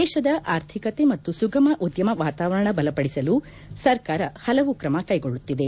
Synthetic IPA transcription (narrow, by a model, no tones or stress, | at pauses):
ɛːʃɐd̪ɐʔaːɾt̪ʰikɐt̪e̞mɐt̪ːusuɡɐmɐʔud̪jɐmɐʋaːt̪aːʋɐɾɐɳɐbɐlɐpɐɽisɐlu | sɐɾkaːɾɐhɐlɐʋukɾɐmɐkɐjɡoɭːut̪ːid̪e